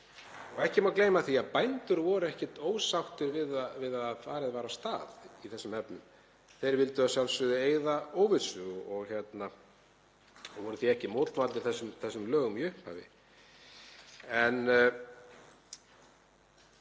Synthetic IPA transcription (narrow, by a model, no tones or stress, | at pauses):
ɔɣɛhcɪmawkleːjmaθiaðpajnt̪ʏɾvɔɾʏɛhcɛt̪oːwsawht̪ʏɾvɪðavɪðaððfaːɾɪðvaːɾast̪aːðiθɛsːʏmɛpnʏ̰m | θejɾvɪlt̪ʏasjawlsʏðʏeːjðaoːwvɪðsʏɣɔɣçɛt̪na | ɔvɔɾʏθiɛhcɪmoːt̪lvaːt̪ɪ̥θɛsːʏmθɛsːʏmlœːɣʏmiʏhpa̰vɪ̰ | ɛn